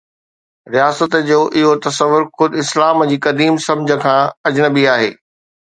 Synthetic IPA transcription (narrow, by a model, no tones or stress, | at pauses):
ɾijaːsət̪d͡ʑoːʔɪɦot̪ɐsəʋːʊɾxʊd̪ɪslaːmd͡ʑiːkɐd̪iːmsɐ̃md͡ʑʱə̆kʰãːɐd͡ʑnəbiaːɦḛː